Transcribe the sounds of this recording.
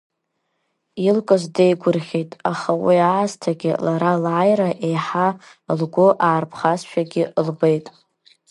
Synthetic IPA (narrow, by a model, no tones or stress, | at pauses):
ilkʼɨzdejɡʷʊrχʲejtʼaχawiaaztʰaɡʲɪ̰laɾalaːjraʔejħa | lɡʷoʔaːrpʰχasʃᶣaɡʲɪʔlbejtʼ